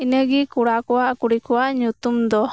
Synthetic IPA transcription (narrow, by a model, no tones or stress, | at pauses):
inəɡikuɽakɔwaʔkuɽikɔwaʔɲut̪umd̪ɔ